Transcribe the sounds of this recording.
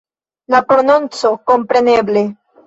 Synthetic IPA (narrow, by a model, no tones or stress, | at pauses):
lapɾo̞nunt͡so̞ko̞mpɾe̞ne̞ble̞